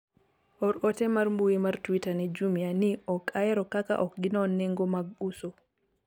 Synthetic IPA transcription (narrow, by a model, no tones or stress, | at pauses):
ɔɾɔtɛmaɾmbujimaɾtwitanɛd͡ʒumianiɔkʼajɛɾɔkaka̰ʔɔkɡinɔnːɛŋɡɔmaɡusɔ